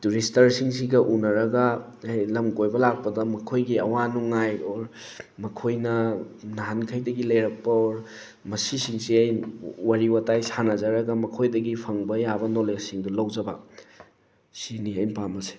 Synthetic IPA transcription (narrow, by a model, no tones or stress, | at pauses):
tuɾistɐɾsiŋsiɡɐʔunɐɾɐɡɐ | ajlɐmɡojbɐlak̚pɐdɐmɐkʰojɡiɐwanuŋajoɾ | mɐkʰojnɐ | naɦankʰɐjdɐɡilɐjɾɐk̚pɐoɾ | mɐsisiŋsiɐjwaɾiwɐtajsanɐzɐɾɐɡɐmɐkʰojdɐɡipʰɐŋbɐjabɐnolesiŋdulɐwd͡ʒɐbɐ̰ | siniɐjnpamɐse̥